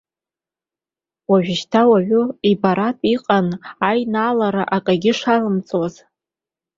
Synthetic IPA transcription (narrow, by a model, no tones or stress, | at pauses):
waʒᶣɪʃtʰawaʕʷʊibaɾatʼiqʼanajnalaɾaʔakʼaɡʲɪʂarɨmt͡sʼwaz